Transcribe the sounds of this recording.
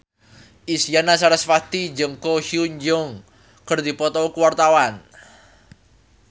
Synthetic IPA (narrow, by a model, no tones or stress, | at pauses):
ʔisijanasaɾasfat̪id͡ʒəŋkɔhiuɲd͡ʒɔŋ | kərd̪ipɔt̪ɔkuwart̪awan